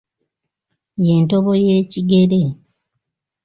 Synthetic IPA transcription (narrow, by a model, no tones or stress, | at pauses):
je̞ntoβo̞je̞ːciɡe̞ɾe̞